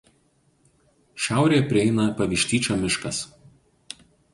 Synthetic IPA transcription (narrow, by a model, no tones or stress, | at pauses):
ʃʲæˑʊɾʲeːjɛpʲɾʲɪɛɪnɐpɐʋʲɪʃʲt̪ʲiːt͡ʃʲoːmʲɪʃkɐs